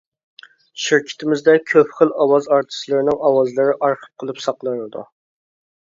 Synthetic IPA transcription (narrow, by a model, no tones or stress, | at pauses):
ʃiɾkʲʰi̥t̪ʰɪmɪzd̪ɛkʲʰøpχəlˠɑwɑzɑɾt̪ʰɨ̥slˠɨɾɪnɪŋɑwɑzlˠɨɾɪʔɑɾqʰə̥p̚qʰəlˠɨpsɑqlˠɨnɨd̪ṵ